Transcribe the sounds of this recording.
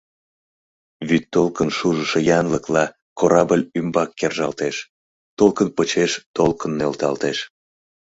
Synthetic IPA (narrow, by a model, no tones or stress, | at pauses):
βyt̪ːolkənʃuʒəʃejɑnləklɑ | koɾɑbəlʲymbɑkːerʒɑ̰lt̪eʃ | t̪olˠkənpət͡ɕeʃt̪olkənːølt̪ɑ̰lt̪eʃ